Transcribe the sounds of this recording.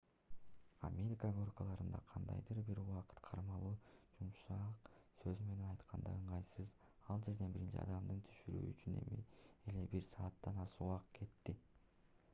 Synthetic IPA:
a̰mʲe̞ɾʲikaɡo̞rkəlˠɑɾɯnd̪ɑ̰qʰɑnd̪ɑ̰jd̪ɯɾbiɾuwɑqɯ̥t̪qʰɑɾmɑlˠuːd͡ʒumʃɑqsø̞zyme̞ne̞nɑjt̪qʰɑnd̪ɑ̰ɯɴʁɑjsɯz | ɑlˠd͡ʒe̞ɾd̪e̞nbiɾint͡ʃḭɑ̰d̪ɑmd̪ɯnt̪ʰy̥ʃyɾy̰ːt͡ʃyne̞̰miele̞biɾsɑːt̪ːɑnɑsuɑqkʰe̞t̪ːi

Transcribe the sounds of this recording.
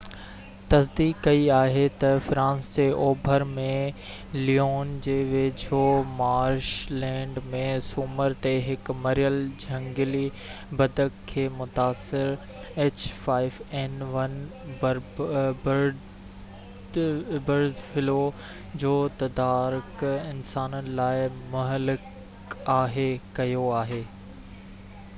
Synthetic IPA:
t̪ɐsd̪iːkːɐiaːɦet̪ɐfɾãːnsd͡ʑeːʔoːbʱəɾmẽ | lioːnd͡ʑeːʋeːd͡ʑʱoːmaːɾʃlɛ̃ːɳɖmẽsʊməɾt̪eɦɪkmɐɾijəld͡ʑʱɐ̃ŋɡɪli | bɐd̪əkkʰːeːmʊt̪aːsɪɾ | eːt͡ɕfaːɪʋɛnʋɐn | bɾbɾ | bɐɾzfɪlo | d͡ʑoːt̪ɐd̪aːɾʊkɪnsaːnənɪ̆laːɪmʊɦəlɪk | aːɦekɐjoaːɦeː

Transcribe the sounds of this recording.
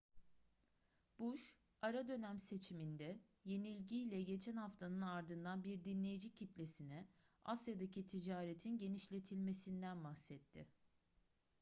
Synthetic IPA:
b̥uʃ | aɾad̪ø̞næmse̞t͡ʃʰimind̪ɛ | je̞nilʲɟiːlʲɛɟe̞t͡ʃʰænhaft̪ʰanɯnaɾd̪ɯnd̪anbiɾd̪inlʲe̞jid͡ʒicʰit̪lʲe̞sinɛ | a̰sjad̪acʰit̪ʰid͡ʒaːɾet̪ʰinɟe̞niʃlʲe̞t̪ʰilʲme̞sind̪ænbaxsɛt̪ʰːɪ

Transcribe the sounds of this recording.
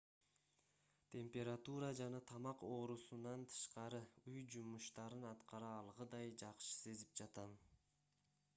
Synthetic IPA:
t̪ʲʰe̞mpʲe̞ɾat̪uɾɑd͡ʒɑnɑt̪ʰɑmɑqo̞ːɾusunɑnt̪ʰɯ̥ʃqɑɾɯujd͡ʒumuʃt̪ɑɾɯnɑt̪qɑɾɑːlˠʁɯd̪ɑjd͡ʒɑqʃɯ̥se̞zip̚d͡ʒɑt̪ɑn

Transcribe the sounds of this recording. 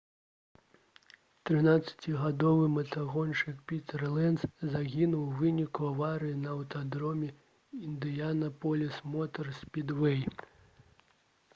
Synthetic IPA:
t̪ɾɨnat̪sɐ̥t͡sʲiɣad̪ɔvɨmɐt̪ʰaɣɔnt͡ʂɨkpʲit̪ɛrlˠɛnszaɣʲinuwvɨnʲikuavaɾɨjinɐːwt̪ad̪ɾɔmʲɛ | ind̪ɨjanɐpɔlʲismɔt̪ɐrsʲpʲid̪vɛj

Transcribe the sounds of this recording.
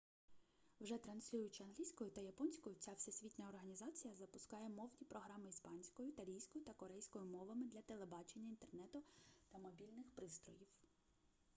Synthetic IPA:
wʒɛt̪ɾɐnsʲlʲuʊjʊt͡ʃɪɐnɦlʲijsʲkɔjʊt̪ɐjɐpɔnʲsʲkɔjʊt͡sʲawsesʲʋʲit̪ʲnʲɐɔrɦɐnʲizɑt͡sʲijɐzɐpʊskɑjɛmɔwnʲipɾɔɦɾɑmɪispɑnʲsʲkɔjʊt̪ɐlʲijsʲkɔjʊt̪ɐkɔɾɛjsʲkɔjʊmɔʋɐmɪd̪lʲɐt̪elˠe̞bɑt͡ʃe̞nʲːɐint̪ernɛt̪ʊt̪ɐmɔbʲilʲnɪxpɾɪst̪ɾɔ̰jiw

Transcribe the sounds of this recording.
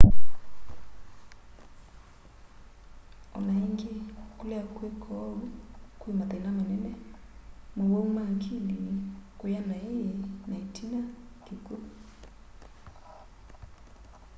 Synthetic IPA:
ɔ̰naiŋɡikulɛkwekʰɔkwimat̪anamanɛnɛ | mowoumaŋkilikujanainaitinakiku

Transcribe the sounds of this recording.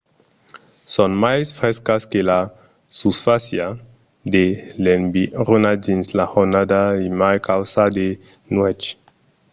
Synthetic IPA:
sɔnmajsfɾɛskaskela | susfasja | d̪elembiɾunad̪inslahonad̪aimajkawsad̪e | nwɛt͡ʃ

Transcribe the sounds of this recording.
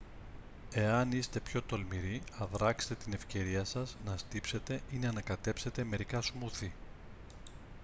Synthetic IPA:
e̞ɐnist̪e̞pço̞t̪o̞lmiɾiɐðɾɐkse̥t̪et̪ine̞fce̞ɾiɐsɐznɐst̪ipse̞t̪e̞inɐnɐkɐt̪e̞pse̞t̪e̞me̞ɾikɐsmuθi

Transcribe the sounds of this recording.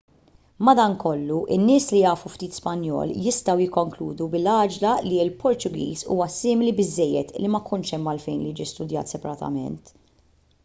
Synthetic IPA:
mɐd̪ɐŋkɔlːuʔɪ̰nːɪːslijɐːfuft̪iːt̪spɐnjɔ̰ːljɪst̪ɐwjɪkːɔŋkluːd̪ubɪlɐːd͡ʒlɐliɪlpʰɔɾt̪ʊɡḭːzṵːwɐsɪːmɪlibɪzːɛjːɛt̪lːimɐkʰʊnʃɛmːɐlfɛjnlid͡ʒist̪ʊd̪jɐ̰ːt̪sɛpɐɾɐt̪ɐ̰mɛ̰nt̪

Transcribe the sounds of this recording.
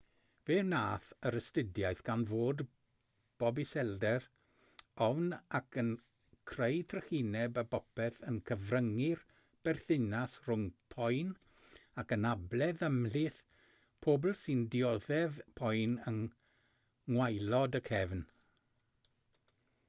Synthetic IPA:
veːnaːθəɾəstɪdjajθɡ̥anvoːd | b̥ɔbɪsɛldɛr | ɔvnakʰən | kʰrejtʰrəhinɛbəbɔpɛθənkʰəvrəŋɪr | b̥ɛrθɪnasr̥ʊŋpʰɔjn | akənablɛðəmlɪθ | pʰoːbl̩ˠsɨndiɔðɛvpʰɔjnəŋ | ŋwajlɔdəkʰɛvn

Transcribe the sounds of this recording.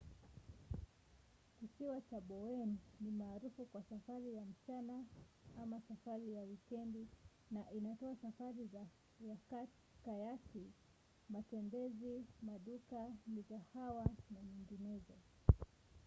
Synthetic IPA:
kisiwat͡ʃaɓɔwɛnːimaːɾufukwasafaɾijam̩t͡ʃanaamasafaɾijawikɛndi | naʔinatɔasafaɾiza | jaka | kajati | matɛmbɛzimaɗukanizahawanaɲiŋɡinɛzɔ

